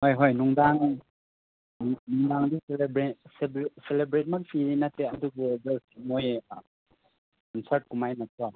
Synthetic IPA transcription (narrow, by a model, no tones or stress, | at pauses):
hojɦojnuŋdaŋ | nuŋdaŋdiselbɾesebselebɾet̚manpʰiɾinatːeɐduɡud͡ʒasimoj | kɔnsɐɾt̚kumajnatʰuwa